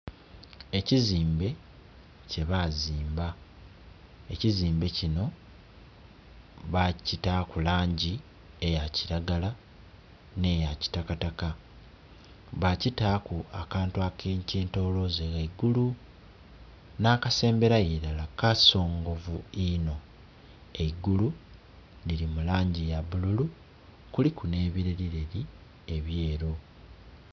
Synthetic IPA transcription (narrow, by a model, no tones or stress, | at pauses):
e̞ciziːmbe̞ | ce̞βaziːmba | eciziːmbe̞cino̞ | βacitakulaːɲɟi | e̞jaciɾaɡala | ne̞jaci̥takataka | βacitakuakaːntuakʰeːɲceːnto̞ːlo̞zeɣaiɡulu | naːkase̞ːmbe̞ɾajeɾalakaso̞ːŋɡo̞vuino̞ | eiɡulu | liɾimulaːɲɟijaβululu | kulikune̞ːβiɾeɾiɾe̞ɾi | e̞βje̞ːɾo̞